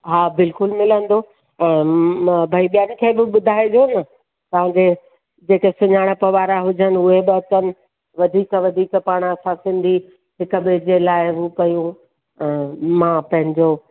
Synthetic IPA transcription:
ɦaːbɪlkʊlmɪlə̃nd̪o | ɛ̃ːbʱaiɓijaːnĭkʰeːbɪɓʊd̪ʱaːed͡ʑoːnɐ | t̪ɐʋ̤ãd͡ʑe | d͡ʑeːkesʊɲaːɽ̃əpɐʋaːɾaɦʊd͡ʑənɪ̆ʊɦeɓɪɐtənɪ̆ | ʋɐd̪ʱiːkəʋɐd̪ʱiːkpaːɽ̃ɐsãsɪ̃nd̪ʱi | ɦɪkə̆beːd͡ʑelaːɪɦukɐjũ | ɛ̃ːmãːpɐ̃ɦɪ̃ɲd͡ʑo

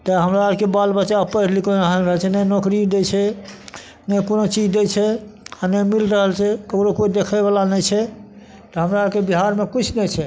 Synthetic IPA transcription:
t̪əɦəmɾaːd͡ʒkebalbət͡ʃaəpəɾlikonɦanɾəɦəlt͡ʃʰɛnəjnokɾid̪et͡ʃʰɛ | nəjkonot͡ʃid͡ʒd̪et͡ʃʰɛanəmilɾəɦəlt͡ʃʰɛkəkɾokoid̪ekʰəbəlanəjt͡ʃʰɛ | t̪ɔɦəmɾaəkebiɦaɾmekit͡ʃʰnɛt͡ʃʰɛ

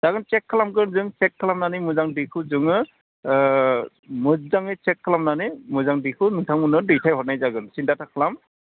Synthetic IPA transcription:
z̥aɡɯnt͡ʃɛkʰːalamɡɯnzɯŋt͡ʃɛkʰːalamnanimɯzaŋdikʰɯzɯŋɯ | mɯzaŋɯt͡ʃɛkʰːalamnanɯmɯzaŋdikʰɯnɯŋtʰaŋmɯnɯdɯjtʰajɦɔt̚najzaɡɯnsindatʰakʰalam

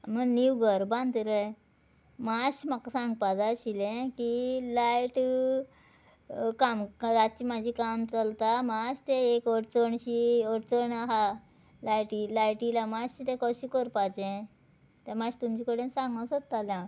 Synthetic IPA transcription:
məɡniwɡəɾbãnd̪əɾəj | maɕmakːsãŋɡpad͡zaɕilẽkilajʈ | kamɾat̪̚t͡ɕiːmad͡ʑʱikamt͡səlt̪amaɕt̪eekoʈt͡səɳɕioʈt͡səɳaɦa | lajʈilajʈilamaɕit̪ẽkɔɕikoɾpat͡ɕɛ̃ | t̪amaɕt̪umt͡ɕikəɽensãŋɡãwsət̪t̪ːaljã

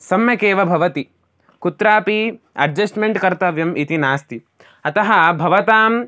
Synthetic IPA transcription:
sɐmjɐkeːʋɐbʱɐʋɐt̪i | kut̪ɾaːpi | ɐɖd͡ʒɐsʈmeɳʈkɐɾt̪ɐʋjɐmʔit̪inaːst̪i | ɐt̪ɐɦɐbʱɐʋɐt̪aːm

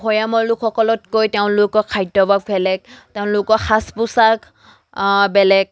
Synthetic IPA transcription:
ɔjamɔlʊkʰːɔkɔlɔtkojteʊ̃lʊkɔkʰajdɔbʱaɡ̚bɛlɛk̚teʊ̃lʊkɔxaspʊsak | bɛlɛk̚

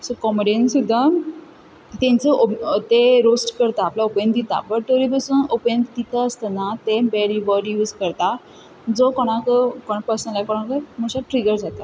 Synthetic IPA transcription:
sɔkɔmeɖensud̪ʱːa | t̪ẽnt͡səʔot̪eɾosʈkəɾt̪aːplaopjənd̪it̪a̰bəʈ̚t̪oɾipəsuːnopənd̪it̪aəst̪ənat̪ebɛɽiʋəɾjuzkəɾt̪a | d͡zɔkɔɽ̃akəkɔɽ̃apəɾsənlajkɔɽ̃akəm̤uɕaʈɾiɡəɾd͡zat̪a

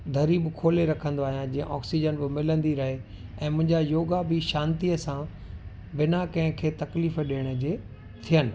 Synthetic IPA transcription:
d̪ʱɐɾiːbkʰoːleɾɐkʰə̃nd̪oaːɦijãd͡ʑĩːə̰̃ʔɔːksid͡ʑənbɪmɪlə̃nd̪iɾɐɦe | ɛ̃ːmʊ̃ɦɪ̃ɲd͡ʑajoːɡabɪʃaːnt̪iəsã | bɪnakɐ̃ɦɪ̃kʰeːt̪ɐkliːfɗeːɽ̃əd͡ʑe | t̪ʰijənɪ̆

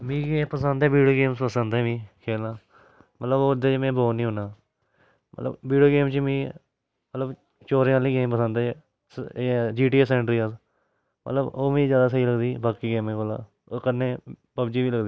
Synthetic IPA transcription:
mĩːɡẽːpəsə̃nd̪ɛːʋiːɖijoːɡeːmspəsə̃nd̪eːʋĩːkʰeːlnaː | mət̪ləboːd̪eːt͡ʃːmẽːboːnĩːɦonaː | mə̰t̪lə̰bʋiːɖijoːɡeːmt͡ʃmĩː | mət̪ləb | t͡ʃoːɾẽːãːlĩːkẽːp̬əsə̃nd̪e | d͡ʒiːʈiːeːs̬ɛːɳɖɾiːas | mə̰t̪ləboːmĩːzjaːd̪aːs̬əiːləɡd̪iːbaːkiːɡeːmẽːkola̰ː | okəɾneː | pəbd͡ʒiːʋiːləɡd̪iː

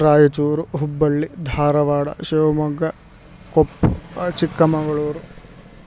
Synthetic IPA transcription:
ɾaːjɐt͡ʃuːɾuɦubːɐɭːid̪ʱaːɾɐʋaːɽɐ̰ʃeːʋɐmɐɡːɐ | kopːut͡ʃikːɐmɐɡɐɭoːɾu

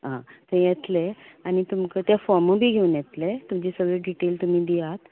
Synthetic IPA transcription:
ɦã̰t̪ʰẽjɛt̪leañit̪umkət̪jafɔɾməbʱiːɡʱeuːnjɛt̪let̪umd͡ʑisəɡɭeɖiʈelt̪um̤iːd̪iat̪

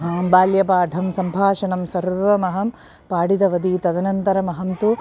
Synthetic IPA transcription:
ɦɐːbaːljɐpaːɖʱɐmsɐmbʱaːʃɐnɐmsɐɾʋɐmɐɦɐm | paːɽid̪ɐʋɐd̪it̪ɐd̪ɐnɐnt̪ɐɾɐmɐɦɐmt̪u

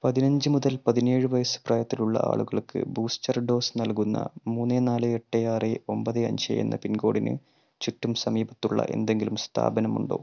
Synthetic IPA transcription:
pɐðinɐɲd͡ʑɨmuðɐlpɐðine̞ːɻɨʋɐjɐsɨ̥prɐːjɐt̪ːiluɭːɐ̰ʔa̰ːɭuɣɐɭkʰːɨ̰buːstɐrɖo̞ːsnɐlkunːɐ̰muːnːenaːlɨeʈːejaːreo̞mbɐðɨɐ̰ɲɕɐ̰jṵnːɐ̰pinɡo̞ːɽinɨ̰ | t͡ɕutːumsɐmiːbɐt̪ːuɭːɐ̰ʔe̞̰nd̪e̞ŋɡilumst̪ʰa̰ːbɐnɐmuɳɖo̰ː

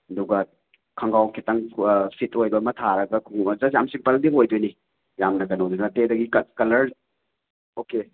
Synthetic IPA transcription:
ɐduɡɐ | kʰɐŋɡawkʰitaŋsitʰojbɐmɐtʰaɾɐɡɐkʰuŋzɐsjamsiŋpɐldiɦojdojni | jamnɐɡɐnowdunɐtedɐɡikɐkɐlɐɾ | oke

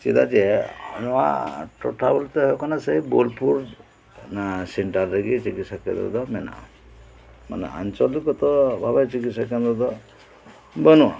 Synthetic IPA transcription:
t͡ʃid̪ad͡ʒiɛɔnɔa̰ʈɔ̰ʈʰabult̪ɔɦɔkanaseibolpʰuɾ | naseɳʈaɾːeɡit͡ʃikit̪sakɛ̰d̪ɔ̰d̪ɔmɛna̰ | ma̰nɛ̰a̰nt͡ʃɔlikɔt̪ɔbʱabat͡ʃikit̪sakɛnd̪ɔd̪ɔ | bɔnṵ

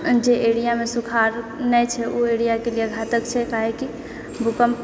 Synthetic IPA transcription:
d͡ʒeʔeɽijamesukʰaɾnɛt͡ʃʰɛʔueɽijakelijeɡʱat̪əkt͡ʃʰɛkaɦeki | bʱukəm

